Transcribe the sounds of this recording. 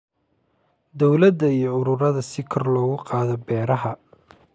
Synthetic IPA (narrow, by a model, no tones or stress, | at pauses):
d̪ɔwlɐd̪ːɐijɞʊɾʊɾɐðɐsɪkʰɔrlɔːɣʊqɑːðɔbɛːɾɐɦɐ